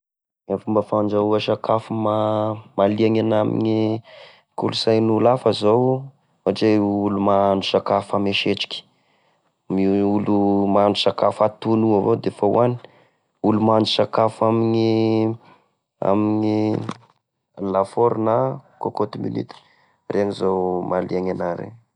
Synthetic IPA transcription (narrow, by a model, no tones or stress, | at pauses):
afumbafand͡ʒauaʃakafumamaliaŋanamḭni | kulusajnulafəzow | aʈ͡ʂeulumanusakafameʃeʈ͡ʂi̥kʲi̥ | miulumanusakafat̪unuavod̪efaw̰ani̥ | ulumanusakafamini | a̰mini | lafoɾnakokot̪imḭnḭt̪i̥ | rʔeaŋizowmaliaŋanaɾḛ